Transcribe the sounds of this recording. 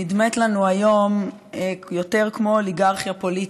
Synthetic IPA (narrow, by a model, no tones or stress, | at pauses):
idmet̪lanuajo̞m | jo̞teʁkmo̞liɡaʁχjapolit